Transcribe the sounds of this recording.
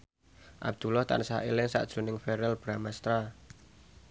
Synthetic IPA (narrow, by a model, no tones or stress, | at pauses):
ʔa̰b̚d̪̥ulɔht̪a̰nsailɪŋsa̰ʔd̥ʒ̥ṳnɪŋfɛɾɛlb̥ɾamast̪ɾa